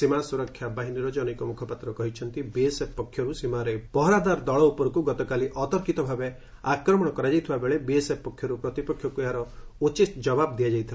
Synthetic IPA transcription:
simasuɾɔkʰjabaɦiniɾɔd͡ʒɔnekɔmukʰɔpat̪ɾɔkɔɦit͡ʃʰɔnt̪ibieseppɔkʰjɔɾusimaɾeb̥ɔɦɾad̪aɾd̪ɔɭɔupɔɾɔkuɡɔt̪ɔkaliʔɔt̪ɔɾkit̪ɔbʱabe | akɾɔmɔɽ̃ɔkɔɾad͡ʒajt̪ʰibabeɭebiesepːɔkʰːjɔɾupɾɔt̪ipɔkʰːjɔkuaɾɔut͡ʃisd͡ʒɔbabd̪ijad͡ʒajt̪ʰila

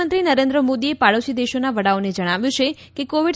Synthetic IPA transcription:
ənt̪ɾinəɾẽnd̪ɾəmod̪iepaɭəʃid̪eʃonaʋəɽaoned͡ʒəɽ̃aʋjũt͡ʃʰe | kekoʋiɖ

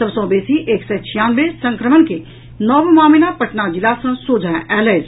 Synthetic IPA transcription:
ɐbsɔ̃ːbeːsiʔeːksɛt͡ʃʰijaːnʋesɐ̃ŋkɾəmənke | nɔːʋmaːminapɐʈnad͡ʒɪlaːsə̃soːd͡ʒʱãʔɛːləːz

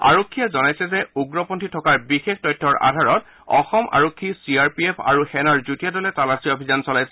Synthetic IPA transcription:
a̰ɹokʰːijɛzɔnajsɛzɛuɡɹɔpɔntʰitʰɔkaɹbixextɔjtʰːɔɹʔa̰dʱaɹɔt | ɔ̰xɔmʔa̰ɹokʰːisiaɹpiepʰa̰ɹuxɛnaɹzutijadɔlɛtalasiobʱizansɔlajsɛ

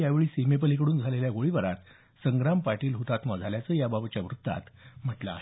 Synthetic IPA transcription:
jaʋeɭiːsimep̬əlikɽuːnd͡zʱaleljaɡoɭiʋəɾat̪ | səŋɡɾampaɾʈiːlɦut̪at̪mɔd͡zʱaljat͡səːjababt͡ɕjaʋɾut̪ːa̰t̪m̤əʈlaːɦe

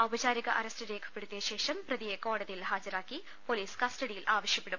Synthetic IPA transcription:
ɐwbɐt͡ɕaːɾiɣɐʔɐɾɐstɨɾe̞ːkʰɐ̥pːe̞ɽut̪ːijɐɕe̞ːʂɐmprɐðijeko̞ːɽɐðijilhaːd͡ʑɐɾaːkːi | po̞ːliːskɐstɐɽijilʔaːʋɐɕjɐpːe̞ɽum

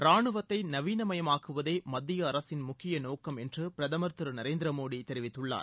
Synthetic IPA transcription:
pɾaːɳɯʋɐt̪ːɐɪnɐʋiːnɐmɐjɐmaːkɯʋɐðeːmɐd̪ːɪjɐːɾɐsɪnmʊkːɪjɐnoːkɐmɛndrɯpɪɾɐðɐmɐɾt̪ɯɾɯnɐɾeːnd̪ɪɾɐmoːɽit̪ːɛɾɪʋɪt̪ːɯɭːa̰ːɾ

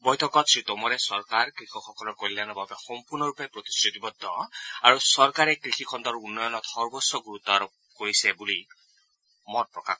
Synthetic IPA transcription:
bɔjt̪ʰɔkɔt̪sit̪ɔmɔɾesɔɾkaɾkɾikʰɔxɔkɔlɔkɔllanɔbabexɔmpuɾnɔɾupepɾot̪i̥sɾit̪ibɔd̪ʱːɔaɾusɔɾkaɾekɾixʰikʰɔnd̪ɔɾunːɔjɔnɔt̪hɔɾbɔsjɔɡuɾut̪ːɔɾɔ | koɾisebuli | mɔnpɾɔka

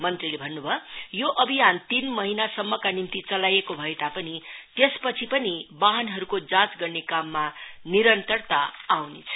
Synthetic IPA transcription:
mʌnt̪rilebʱʌnːubʱʌjoʔʌbʱijant̪inmʌɦinasʌmːʌkanimt̪it͡sʌlajekobʱʌet̪apʌnit̪espʌt͡sʰipʌnibaɦʌnɦʌɾukod͡zãt͡sɡʌrnekamːaniɾʌnt̪ʌrt̪aːwnet͡sʰʌ̥

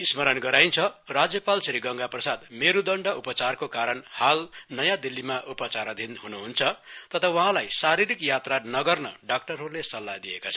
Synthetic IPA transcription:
ismʌɾʌnɡʌɾajnt͡sʰʌrad͡zjʌpalsiɾiɡʌŋɡaprʌsad̪meɾud̪ʌɳɖʌupʌt͡sarkokaɾʌnhalnʌjãd̪ilːimaʔupʌt͡saɾʌd̪ʱinɦunuɦunt͡sʰʌt̪ʌt̪ʰʌwʌɦãlajsaɾiɾikjat̪ranʌɡʌrnʌɖak̚ʈʌrɦorlesʌlːad̪iekot͡sʰʌ

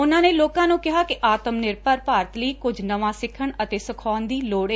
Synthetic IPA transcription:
ʊnãːneːloːkãːnũːkɪɦaːkɪʔaːt̪əmnɪɾpəɾpaːɾət̪ləiːkʊd͡ʒnəʋãːsɪkʰəɳət̪eːsəkʰɔːnd̪iːloːɽeː

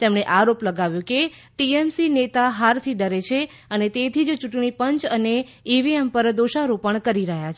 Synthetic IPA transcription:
t̪emɳeʔaɾopləɡaʋjũkeʈiemsinet̪aɦaɾt̪ʰiɖəɾet͡ʃʰe | ənet̪et̪ʰid͡ʒt͡ʃuʈɳipəɲt͡ʃəne | iʋiempəɾd̪oʃaɾupəɳkəɾiɾəɦjat͡ʃʰ

